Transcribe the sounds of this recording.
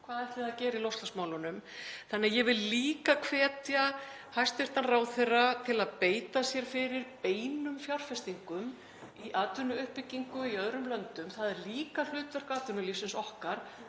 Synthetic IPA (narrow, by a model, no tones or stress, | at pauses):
kʰvaːðɛr̥t̪ɪaðcɛːɾɪilowst̪asmaːwlʏnʏmθanːɛajɛvɪlːiːkakʰv̥ɛːt̪ja | hajst̪vɪɾ̥t̪anraːwθerat̪ʰɪlaðpeːjt̪asjɛɾ̥fɪɾɪɾpeːjnʏmfjawr̥fɛst̪iŋkʏm | iʔaːt̪ʏnʏʏhpɪcːiŋkʏiœðɾʏmlœnt̪ʏmθaðɛɾliːkal̥ʏːt̪vœr̥kaːt̪ʏnʏliːsɪnsɔhkaɾ̥